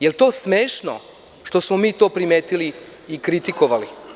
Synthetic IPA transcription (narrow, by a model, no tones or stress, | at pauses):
jelt̪o̞ːsmeːʃno̰ | ʃt̪o̞smomiːt̪oːpɾimeːt̪iliːkɾit̪ikoʋali